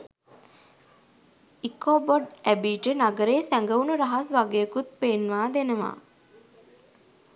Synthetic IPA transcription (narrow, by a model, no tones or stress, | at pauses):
ikoːboɖæbiːʈənaɡəɾeːsæŋɡəunuɾaɦasʋaɡejəkut̪̚peːnʋaːd̪enəʋa̰ː